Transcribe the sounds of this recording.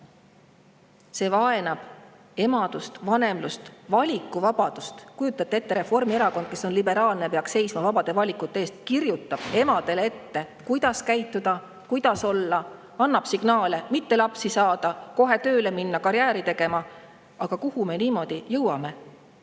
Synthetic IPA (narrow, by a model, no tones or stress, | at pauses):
se̞ːvɑe̞nɑb̥ | e̞mɑd̪̥ust̪vɑne̞mlust̪vɑlʲikːˑuvɑb̥ɑd̪̥ust̪kujut̪ːˑɑt̪ːˑeet̪ːe̞ɾe̞fo̞rmie̞ɾɑko̞nd̪̥̚ke̞so̞nlibe̞ɾɑːlne̞peɑksːe̞jsmɑvɑbɑd̪̥e̞vɑlʲikːˑut̪ːeeːst̪̚kirjut̪ːˑɑb̥e̞mɑd̪̥e̞let̪ːe̞ | kujd̪̥ɑskæjt̪ːˑud̪̥ɑ | kujd̪̥ɑso̞lːɑ | ɑnːɑb̥siɡ̥nɑːle̞mit̪ːe̞lɑpsisɑːd̪̥ɑko̞ɦe̞t̪ø̞ːle̞minːɑkɑɾjæːɾit̪e̞ɡ̥e̞mɑ | ʔɑɡ̥ɑkuhume̞niːmo̞d̪̥ijɤwɑme̞